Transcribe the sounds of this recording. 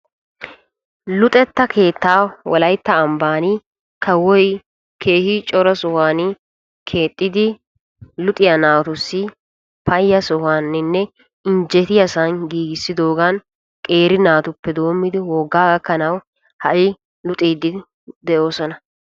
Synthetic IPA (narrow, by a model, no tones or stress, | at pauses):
lʊt̪ʼɛt̪ːɐkʰe̞ːt̪ːaːwɔlɐjt̪ːɐːmbaːni | kʰɐwɔj | kʰe̞ːhɪt͡ʃʼɔɾɐsɔhaːnɪ | kʰe̞ːt̪ʼːɪd̪ɪ | lʊt̪ʼɪjɐnaːwt̪ʊsːɪ | pɐjːɐsɔhaːnːɪnːɛ | ɪnd͡ʒɛt̪ɪjɐsanɡiːɡɪsːɪd̪o̞ːɡan | kʼe̞ːɾɪnaːt̪ʊpːɛd̪o̞ːmːɪd̪ɪwɔɡːaːɡɐkːɐnɐw | hɐʔɪ | lʊt̪ʼiːd̪ɪ | d̪ɛʔo̞ːsɔnɐ